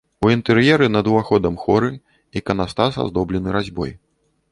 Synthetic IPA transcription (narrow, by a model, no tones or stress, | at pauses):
uint̪ɛɾjɛɾɨnɐd̪uvaxɔd̪ɐmxɔɾɨ | ikɐnast̪asa̰zd̪ɔblʲɛnɨɾazʲbɔ̰j